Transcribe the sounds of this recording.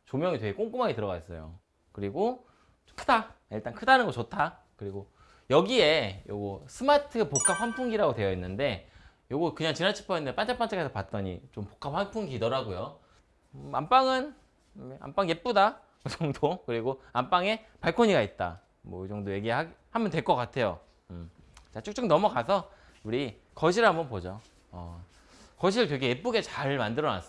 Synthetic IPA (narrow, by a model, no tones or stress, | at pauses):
t͡ɕomjʌŋitweɡek͈oŋk͈umaɡitɯɾʌɡa̰is͈ʌ̰jo̰ | kɯɾiɡo | kʰɯ̥daiɭt͈ankʰɯdanɯnɡʌt͡ɕotʰa | kɯɾiɡo | jʌɡie̞jo̰ɡʌsʰɯmatʰɯpok͈ʰap̚ɸampʰuŋɡiɾaɡotwe̞jʌinːɯnde̞ | joɡʌkɯɲaŋt͡ɕinant͡ɕʰi̥pʰʌindep͈ant͡ɕʰap͈ant͡ɕʰaɡasʰapat̚t͈ʌɲḭt͡ɕompo̥kʰap̚ɸwanpʰuŋɡiːdʌɾaɡojo | amp͈aŋɯn | a̰mp͈aŋjep͈uda | kɯt͡ɕʰʌŋdokɯɾiɡoamp͈aŋe̞ | paɭkʰoɲiɡait̚t͈a̰ | mwʌd͡ʑʌŋdoje̞ɡiɦahamjʌntweɭk͈ʌk͈atʰe̞jo̰ | m | t͡ɕat͡ɕʰuk̚t͡ɕ͈ʰoŋnʌmukasʰʌ | uɾi | kʌɕʰiɾɦambʌnpod͡ʑo | ʌ̰ | kʌɕ̬ʰiɭkjeɡeep͈uɡe̞t͡ɕaɭmandɯɾʌna̰s͈